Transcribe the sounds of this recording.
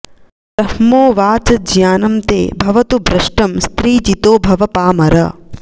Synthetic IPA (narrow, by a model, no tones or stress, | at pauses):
t̪ɐhmoːʋaːt͡ʃɐd͡ʒjaːnɐmt̪ḛːbʱɐʋɐt̪ubɾɐʂʈɐmst̪ɾiːd͡ʒit̪oːbʱɐʋɐpaːmɐɾɐ